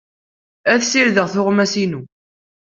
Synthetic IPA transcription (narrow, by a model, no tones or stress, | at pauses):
æθsiɾðəʁθʊʁmæsinu